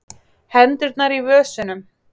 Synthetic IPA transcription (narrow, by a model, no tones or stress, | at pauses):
hɛnt̪ɪɾt̪naɾivœːsʏnʏm